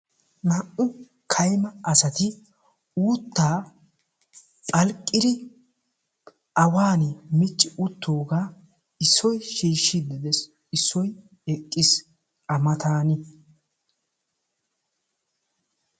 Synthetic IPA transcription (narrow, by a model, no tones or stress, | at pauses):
nɐʔʊ | kʰɐjmɐɐsɐt̪ɪ | uːt̪ːaː | pʼɐlkʼːɪd̪ɪ | ʔɐwaːnɪmɪt͡ʃʼːɪʔʊt̪ːoːɡaː | ɪsːɔjʃiːʃːɪd̪ɪd̪ɛs | ɪsːɔj | ɛkʼːɪs | ɐmɐt̪aːnɪ